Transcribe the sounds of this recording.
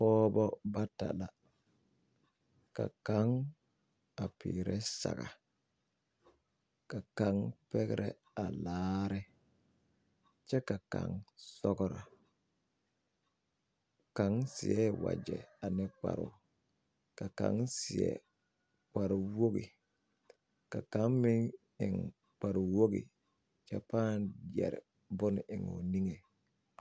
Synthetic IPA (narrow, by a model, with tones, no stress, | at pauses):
fɔː˦bɔ˦ba˦ta˨la˨ | ka˨ka˦ŋ | a˨piː˨ɾɛ˦sa̰˨ɣa˨ | ka˨ka˨˦ŋpɛ˦ɡɛ˦ɾʔɛ˦ | a˨laː˦ɾɪ˦ | t͡ʃɛ˦ka˨ka̰˨ŋsɔ˦ɡɔ˦ɾa˨ | ka˨˦ŋsɪ˨ɛ˦˨wa̰˨d͡ʒɛ̰˨a˨nɪ˦k͡pa̰˨ɾʊ̰˨ | ka˨ka̰˨˦ŋsɪ˨ɛ̰˦˨ | k͡pa˨ɾwo˦ɡi˨ | ka˨ka˨˦ŋmɪ˦ŋ | ɪ˨ŋ | k͡pa˨ɾʊ˨wo˦ɡḭ˨ | t͡ʃɛ˦paː˦njɛ˨ɾɪ˨ | bʊ˦n˨ʔɪ˨ŋo̰˨ni˦ŋe˨